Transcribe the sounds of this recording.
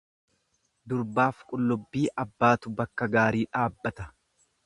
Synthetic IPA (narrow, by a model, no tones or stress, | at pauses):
d̪ʊɾbaːfkʼʊlːʊbːiːʔɐbːaːt̪ʊbɐkːɐɡaːɾiːᶑaːbːɐt̪ɐ̥